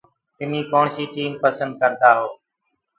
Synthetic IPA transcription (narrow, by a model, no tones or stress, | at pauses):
ɪn̤iːkoːɳsiːʈiːmpəsənd̪̚kəɾd̪aːɦoː